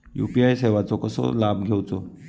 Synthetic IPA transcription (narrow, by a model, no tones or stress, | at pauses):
jṵpiajseʋat͡sɔkəsɔ̰labʱɡʱewt͡sɔ